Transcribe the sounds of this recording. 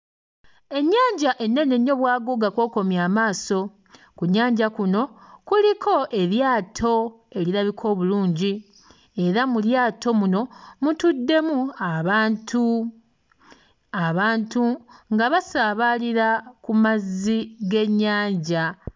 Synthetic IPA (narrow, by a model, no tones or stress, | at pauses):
e̞ɲːaːɲɟaʔe̞nːe̞ne̞ɲːo̞βwaːɡo̞ɡakwo̞ːko̞mjaːmaːso̞ | kuɲːaːɲɟakuno̞kulikʰo̞ʔe̞βjaːtʰo̞ | e̞liɾaβikʰo̞ːβuluːɲɟi | e̞ɾamuljaːtʰo̞muno̞mutudːe̞muatʰu | aβaːntuŋɡaβasaβaliɾakumaziɡe̞ɲːaːɲɟa